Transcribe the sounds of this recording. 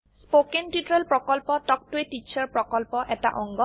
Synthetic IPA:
spokentitɹelpɹɔkɔlpɔtɔk̚tʊetit͡ʃʰɔɹpɹɔkɔlpɔʔɛta̰ʔɔŋɡɔ

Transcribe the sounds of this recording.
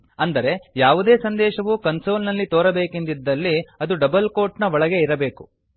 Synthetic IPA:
ɐnd̪ɐɾe̞jaːʋud̪e̞ːsɐnd̪ɛːʃɐʋukɐnso̞ːlnɐlːit̪oːɾɐbe̞ːkind̪id̪ːɐlːiɐd̪uɖɐbɐlkoːɾʈnɐʋɔɭɐɡe̞iɾɐbe̞ːku

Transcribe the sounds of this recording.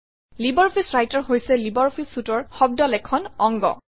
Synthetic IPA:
libɔɹpʰisɹajtɔɹɦojsɛlibɔɹpʰisutɔɹxɔb̚dɔlɛkʰɔnɔŋɡɔ̰

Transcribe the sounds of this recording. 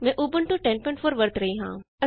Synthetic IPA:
mɛ̃ːʔuːbəɳʈuʈɛ̃ːnpɔ̃ɪ̃ɳʈfʰoːɾʋɐɾt̪ɾɐɦiɦãː | ɐ

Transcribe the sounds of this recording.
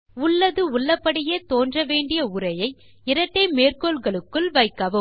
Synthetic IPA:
ʊɭːɐðɯʊɭːɐpːɐɽɪjeːt̪oːndrɐʋeːɳɖɪjɐʊrɐjɐɪ | ɪɾɐʈːɐmeːrkoːlɣɐɭɯkːɯɭʋɐɪkːɐʋɐ

